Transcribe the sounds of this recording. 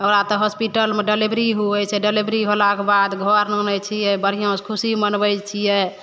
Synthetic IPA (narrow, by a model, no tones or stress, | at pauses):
əmɾat̪ɔɦɔspiʈəlmeɖelibɾiɦuɛt͡ʃʰɛɖelibɾiɦolakebad̪ɡʱɔɾnonɛt͡ʃʰijɛbəɾ̤ijõskʰusimənbɛjt͡ʃʰijɛ